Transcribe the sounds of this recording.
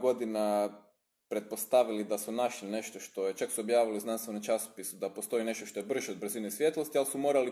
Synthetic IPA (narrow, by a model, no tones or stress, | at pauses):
ɡo̞d̪ina | pɾe̞t̪̚post̪aʋilid̪asunaʃline̞ʃt̪o̞ʃt̪o̞jet͡ʃaksuobjaːʋiliznanst̪ʋe̞nomt͡ʃaso̥pisud̪apost̪o̞ine̞ʃt̪o̞ʃt̪o̞je̞br̩ʒeod̪̚br̩zinesʋje̞t̪lˠo̞st̪ialsumo̞ːɾali